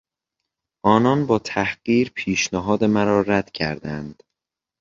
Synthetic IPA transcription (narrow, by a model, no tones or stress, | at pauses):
ʔɒːnɒnbɒːt̪ʰæhɢ̥iːɾpʰiːʃnæɦɒːd̪emæɾɒːɾæd̪̥cʰæɾd̪ænd̪̥